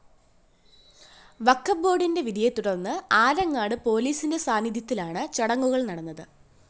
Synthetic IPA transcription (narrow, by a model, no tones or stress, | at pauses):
ʋɐkːɐbo̞ːɖinde̞ʋid̪ijet̪ːuɽɐnːɨaːɾɐŋːaːɽɨpo̞ːliːsinde̞saːniðʱjɐt̪ːilaːɳɨt͡ɕɐɽɐŋːuɣɐɭnɐɽɐnːɐðɨ